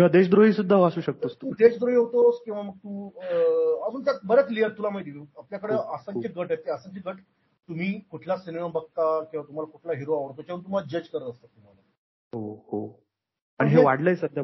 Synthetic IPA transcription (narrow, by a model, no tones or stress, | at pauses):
kĩʋad̪eɕd̪ɾoɦiːsud̪ʱːaɦasuːɕək̚t̪ost̪uud̪et͡ɕd̪ɾoɦiɦot̪oskĩw̃ʋaməɡ̚t̪uː | əd͡zuːnt̪akbəɾət̪liəɾt̪ulam̤ajt̪iapljakəɽeəsəŋjəɡəʈet̪ːeəsəŋkjəɡəʈ | t̪um̤iːkuʈʰlasiniabʱək̚t̪akĩw̃ʋat̪um̤alakuʈʰlaɦiɾoaʋəɽt̪ot͡ɕaunt̪um̤aad͡ʑət͡ɕkəɾət̪əst̪at̪ːum̤ala | ɦoɦo | əniɦeʋaɽləjsəd̪ʱja